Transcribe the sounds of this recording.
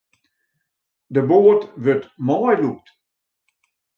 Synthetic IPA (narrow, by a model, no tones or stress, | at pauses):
dəboːətʋøtmɔjluk̚t